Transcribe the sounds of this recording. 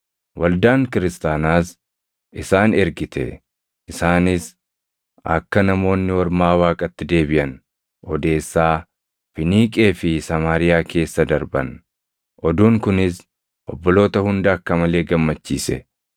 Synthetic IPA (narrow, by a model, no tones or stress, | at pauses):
wɐld̪aːŋkɪɾɪst̪aːnaːs | ʔɪsaːnɛɾɡɪt̪ɛ̰ | ʔɪsaːnɪs | ʔɐ̰kːɐnɐmo̞ːnːɪwɔɾmaːwaːkʼɐt̪ːɪd̪e̞ːbɪʔɐn | ʔɔd̪e̞ːsːaː | fɪniːkʼe̞ːfɪsɐmaːɾɪjaːke̞ːsːɐd̪ɐɾbɐn | ʔɔd̪uːŋkʊnɪs | ʔɔbːɔlo̞ːt̪ɐhʊnd̪ɐɐkːɐmɐle̞ːɡɐmːɐt͡ʃːiːsɛ̰